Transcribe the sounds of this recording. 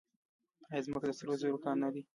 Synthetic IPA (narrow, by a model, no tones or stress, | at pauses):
aezməkd̪əsaɾozoɾokɑnːad̪i